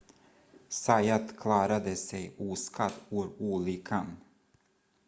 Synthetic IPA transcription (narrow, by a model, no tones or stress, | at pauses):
sajat̪kʰlɑːɾad̪əsɛjuːskad̪uːɾuːliːkʰan